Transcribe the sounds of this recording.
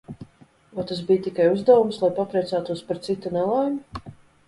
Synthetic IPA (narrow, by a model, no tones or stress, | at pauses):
vat̪as̬bijt̪ikajuzd̪awumslˠajpapɾɛjt̪sæːt̪uɔspaɾt̪sit̪unɛlˠajmu